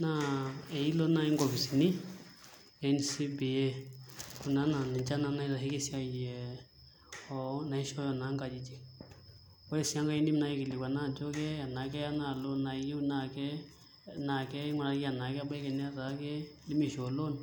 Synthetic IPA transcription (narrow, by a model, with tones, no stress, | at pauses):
na˦e˨i˦lo˦na˧˨i˦ŋ˦ɡɔ˨bi˨si˨ni˦ | ɛ˨nsi˦bi˨e˦ku˨na˦na˨ni˨t͡ʃa˦na˧˦na˦i˦za˨ɦi˦kɛ˦si˦a˧ji˨ɛ˨ | ɔ˨na˨i˦ʃɔ˦jɔ˨na˨˦ŋka˨d͡ʒi˦˨d͡ʒi˨ | ɔ˦jɛ˦˨si˨a˦ŋɡa˦i˦ndi˦m˦na˨˧ji˦ki˨li˨wa˨na˦˨d͡ʒɔ˦kɛ˦a˨na˨k̬ɛ˦a˦na˨lo˦na˨i˦i˦u˦na˨kɛ˦ | na˨kɛ˦ma˨ɾa˨ki˦a˨na˨kɛ˦a˦ba˦kɛ˨nɛ˦a˦ɾa˨˦kɛ˦li˦mi˦˨ʃɔ˨lo˦n